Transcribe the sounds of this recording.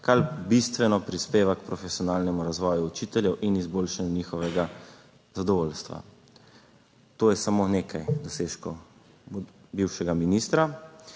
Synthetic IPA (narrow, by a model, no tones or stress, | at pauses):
kalbist̪ʋɛnɔpɾispeːʋakpɾɔfɛsiɔnaːlnɛmuɾazʋɔːjuut͡ʃiːt̪ɛljɛwʔinizboːlʃanjuniːxɔʋɛɡa | zad̪ɔʋoːlst̪ʋa̰ | t̪oːjɛsamoːneːkʰajd̪ɔseːʃkɔ | biwʃɛɡaminiːst̪ɾa